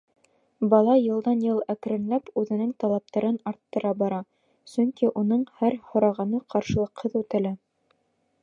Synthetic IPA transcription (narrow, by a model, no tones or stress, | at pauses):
bɑlˠɑjɤ̆lˠd̪ɑnjɤlˠæk̆ɾɘ̆nlæpʉðɘ̆nɘŋt̪ɑlˠɑp̚t̪ɑɾɤnɑɾt̪ːɤ̆ɾɑbɑɾɑ | sɵŋkiʔunɤɴhæɾhŏɾɑʁɑnɤqɑɾʃɤ̆lˠɤ̆qhɤðʉt̪ɘ̆læ